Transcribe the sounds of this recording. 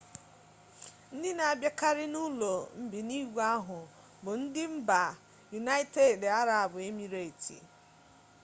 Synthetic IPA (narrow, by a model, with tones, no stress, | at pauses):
n̩˦dɪ˦na˨a˨bja˦ka˦ɾɪ˦nu˦lo˨m̩˦bi˨ni˦ɡʷa˦ɦʊ˨ | bʊ˨n̩˦dɪ˦m̩˦ba˨ | ju˨na˦i˦te˨da˦ɾa˨a˨bʊ˨e˦mi˨ɾe˨tḭ˨